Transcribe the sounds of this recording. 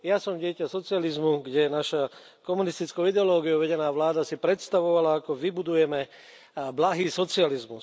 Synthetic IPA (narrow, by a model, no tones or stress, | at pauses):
jasɔmɟɪɛcasɔt͡sializmuɡɟɛnaʃa | kɔmunist̪it͡skoʊid̪ɛɔlɔːɡijoʋɛɟɛnaːʋlaːd̪asipɾɛt̪st̪aʋɔʋalaakɔʋibud̪ujɛmɛ | blaɦiːsɔt͡sializmus